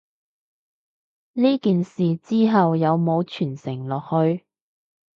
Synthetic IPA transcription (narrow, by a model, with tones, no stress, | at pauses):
liː˥kiː˨nsiː˨˩t͡siː˥ɦɐ˨wjɐ˨˧wmo˨˧wt͡ʃʰyː˨˩nsɪ˨˩ŋlɔː˨k̚hɵ˨˧ɥ